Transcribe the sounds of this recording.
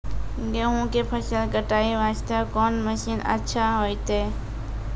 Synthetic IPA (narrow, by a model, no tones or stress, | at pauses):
ɡeɦõːkeːpʰəʃəlɡəʈaːiːʋaːt͡ʃt̪aːkoːnməʃiːnə̰tːt͡ʃʰaːɦoːiːt̪eː